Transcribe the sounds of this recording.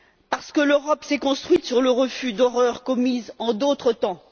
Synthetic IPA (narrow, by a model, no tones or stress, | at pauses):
paʁsə̥kəløʁɔpsɛkɔ̃st̪χɥit̪syʁləʁəfyd̪ɔʁœʁkɔmizɑ̃d̪ot̪χət̪ɑ̃